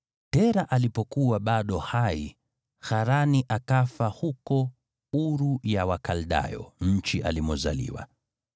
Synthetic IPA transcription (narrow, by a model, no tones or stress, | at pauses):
tɛɾaʔalipɔkuwaɓaɗɔhai | xaɾaniʔakafahukɔ | uɾujawakalɗa̰jɔ̰ɲ̩t͡ʃiʔa̰limɔza̰lḭwa̰